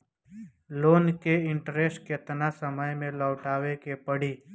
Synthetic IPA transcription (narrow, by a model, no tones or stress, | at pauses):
loːnkeɪ̃ɳʈɾeːsʈkɪt̪nasəməjmẽlɔːʈaːʋekepəɽiː